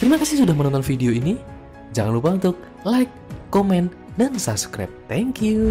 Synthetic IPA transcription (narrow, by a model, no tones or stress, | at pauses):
kəɾimakasɪhsudahmənɔnt̪ɔnfideoini | d͡ʒaŋanlupaunt̪ʊk̚ | lajkː | omɛn | dansabskɾa̰p̚t̪ɛŋkju